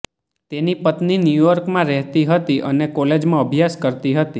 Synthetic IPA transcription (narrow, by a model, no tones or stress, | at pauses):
t̪enipət̪ninjujɔɾkmãɾɛɦt̪iɦət̪iʔənekɔled͡ʒmãəbʱjaskəɾt̪iɦət̪i